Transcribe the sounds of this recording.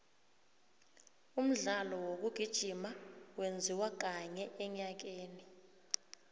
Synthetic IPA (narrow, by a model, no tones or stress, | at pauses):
um̩ɮalɔwok̬uɡ̥ʱid̥ʒ̥ʱimawend͡zʱiwak̬aɲɛɛɲak̬eːni